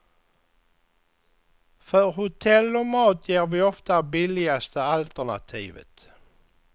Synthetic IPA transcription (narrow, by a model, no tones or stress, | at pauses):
fœɾhʊt̪ʰɛlːɔmɑːt̪ʰjæːɾvɪɔft̪abɪlɪast̪əalt̪əɳa̰t̪ʰḭːvə̰t̪